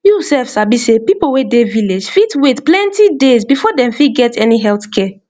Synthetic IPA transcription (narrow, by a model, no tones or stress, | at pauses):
jusɛfsabisepipowedeviled͡ʒfitwetplɛ̃ntidezbifɔdɛ̃mfiɡɛtɛniɦɛlθkʰɛ